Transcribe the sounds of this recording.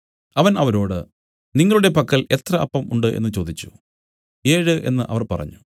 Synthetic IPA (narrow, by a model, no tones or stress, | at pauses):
ɐʋɐnɐʋɐɾo̞ːɽɨ | niŋːɐɭuɽe̞pɐkːɐɭe̞t̪rɐʔɐ̰pːɐmuɳɖɨʔe̞̰nːɨt͡ɕo̞ːd̪it͡ɕːu̥ | e̞ːɻɨʔe̞̰nːɨʔɐ̰ʋɐrpɐrɐ̰ɲːu